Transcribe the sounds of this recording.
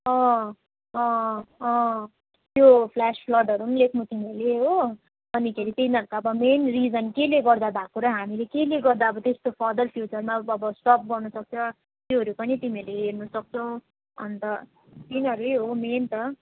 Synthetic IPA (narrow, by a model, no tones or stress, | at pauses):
ʌ̃ | ʌ̃ʌ̃ | t̪jopʰlaspʰlʌɖʌɾunlekʰmut̪imʌleɦo | bʌnikʰeɾit̪inʌɾukaʌbʌmenrid͡zʌnkeleɡʌrd̪abʱakoɾʌɦamilekeleɡʌrd̪aʌbʌt̪est̪opʰʌd̪ʌlpʰjut͡sʌrmaʌbʌsʈʌp̚ɡʌrnʌsʌk̚t͡sʰʌ | t̪joɦʌɾupʌnit̪imiʌleɦernʌsʌk̚t͡sʰʌw̃ | ʌ̰nt̪ʌ | t̪inʌɾujɦoment̪ʌ